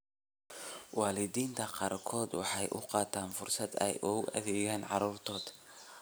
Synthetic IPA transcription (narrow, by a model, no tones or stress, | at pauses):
wɑːlɪd̪iːnt̪ʰɐqɑːrkʰɔːd̪wɑħɑjʔʊqɑːt̪ʰaːnfʊrsɐd̪ɛ̰jʔʊɣʊʔɐ̰ðɛɣaːnʕɑ̰ɾuːrt̪ʰɔːd̪̥